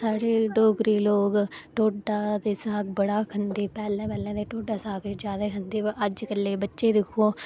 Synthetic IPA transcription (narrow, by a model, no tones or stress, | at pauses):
saːɽeːɖoːɡɾiːloːɡʈoːɖaːd̪eːsaːk̚bəɽaːkʰənd̪iːpɛːlɛ̃ːpɛːlɛ̃ːd̪eːʈoːɖaːsaːked͡ʒjaːd̪aːkʰənd̪iːʔəd͡ʒkəlːeːbətːʃeːd̪ɪkʰːõː